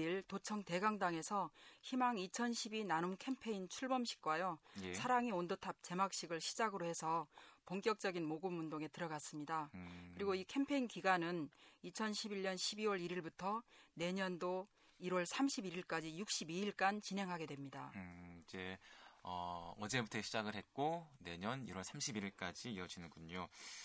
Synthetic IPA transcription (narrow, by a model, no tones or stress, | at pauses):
iɭtot͡ɕʰʌŋte̞ɡaŋdaŋe̞sʰʌçimaŋit͡ɕʰʌnɕʰibinanumkʰempʰe̞int͡ɕʰuɭbʌmɕʰi̥k͈̚wajosʰaɾaŋiondotʰap̚t͡ɕe̞mak̚ɕ͈iɡɯɭɕʰi̥d͡ʑaɡɯɾohe̞sʰʌpoŋk͈jʌk̚t͡ɕ͈ʌɡinmoɡɯmundoŋe̞tɯɾʌɡas͈ɯmɲidakɯɾiɡoikʰe̞mpʰe̞inkiɡanɯnit͡ɕʰʌnɕʰibiɭɲʌnɕʰibiwʌɾiɾiɭbutʰʌne̞ɲʌndo | iɾwʌɭsʰamɕʰibiɾiɭk͈ad͡ʑijuk̚ɕ͈ibiiɭk͈ant͡ɕinɦe̞ŋɦaɡe̞dwe̞mɲidaid͡ʑe̞ʌ̰ʌd͡ʑe̞butʰʌɕʰid͡ʑaɡɯɭɦe̞t̚k͈one̞ɲʌnḭwʌɭsʰamɕʰibiɾiɭk͈ad͡ʑiiʌd͡ʑinɯnɡuɲo